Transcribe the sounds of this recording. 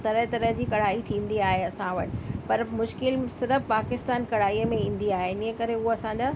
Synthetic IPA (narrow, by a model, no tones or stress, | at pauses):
t̪ɐɾəɦt̪ɐɾəɦd͡ʑiːkɐɽ̤aːit̪ʰĩːn̆d̪iaːɦeɐsãʋɐ̰ʈ̆pɐɾmʊʃkɪlsɪɾəfpaːkɪst̪aːnkɐɽaːiːəmẽĩːn̆d̪iaːɦenɪə̃kɐɾeʊɦoɐsãːd͡ʑaː